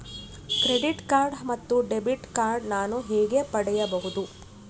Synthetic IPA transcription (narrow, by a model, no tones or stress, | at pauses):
kɾe̞ɖiʈkaːɾɖmɐt̪ːuɖe̞biʈkaːɾɖnaːnuɦɛːɡe̞pɐɽɛjɐbɐɦud̪u